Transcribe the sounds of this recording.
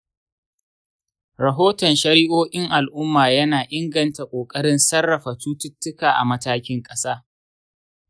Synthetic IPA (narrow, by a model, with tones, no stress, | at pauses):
ɾɐ˨ɦoː˦tɔ˨nʃɐ˦ɾɪ˦ʔoː˦kʲʼɪ˦ŋʔa˨lʔʊ˦mːaː˨jɐ˦naː˨ʔɪ˦ŋɡɐ˨nta˨kʷʼoː˨kʼɐ˦ɽɪ˦nsɐ˦rːɐ˨ɸa˨tuː˦tʊ˦tːʊ˦kaː˨ʔa̰˨mɐ˦taː˦kʲɪ˦ŋkʼɐ˦saː˦